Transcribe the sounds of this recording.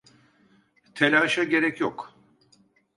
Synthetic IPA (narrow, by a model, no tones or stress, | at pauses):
t̪ʰelʲaːʃaɟe̞ɾɛcjok